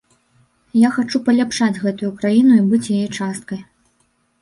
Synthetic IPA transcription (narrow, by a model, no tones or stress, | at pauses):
jaxat͡ʂupɐlʲapʂad͡zʲɣɛt̪ujukɾajinuibɨt͡sʲjajɛt͡ʂast̪̚kɐj